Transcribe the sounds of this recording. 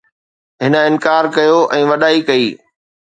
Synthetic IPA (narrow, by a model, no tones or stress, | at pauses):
ɦɪnə̆ɪ̃nkaːɾkɐjoʔɛ̃ːʋɐɗaːikɐiː